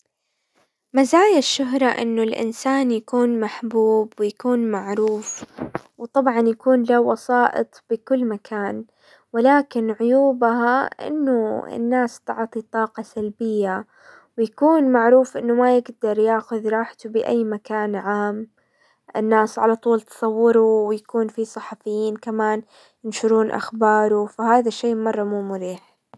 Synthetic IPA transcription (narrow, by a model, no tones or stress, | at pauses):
mazaːjaʃːʊɦɾˤɑʔɪ̰nːʊlʔɪ̰nsaːnjakuːnmaħbuːbwɪjakuːnmaʕɾuːfwt̪ˤɑbʕɑnjakuːnlawɑsɑːʔɨ̰t̪ˤb̥ɪkʊlːmakʰaːn | wɪlaːkɪnʕʊjuːbaɦaʔɪ̰nːʊɪ̰nːaːst̪ʊ̰ʕt̪ˤit̪ˤɑːqɑsalbɪjːa | wɪjakuːnmaʕɾuːfʔɪnːʊmajɪɡd̪ɑɾˤjaːxʊðɾˤɑːħt̪ʊbɪʔajːmakaːnʕaːm | ʔɪnːaːsʕalat̪ˤuːlt̪ɨ̥sˤɑwːɪɾʊwɪjakuːnfisˤɑħɑfɪjːiːnkamaːn | jɪnʃʊɾuːnʔa̰xbɑːɾˤufaɦaːðaʃːeːmɑrˤːɑmuːmʊɾiːħ